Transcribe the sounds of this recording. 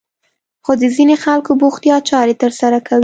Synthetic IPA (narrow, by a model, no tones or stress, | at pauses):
xod̪əzinexalkoboxt̪jɑt͡ʃɑɾet̪əɾsaɾakawi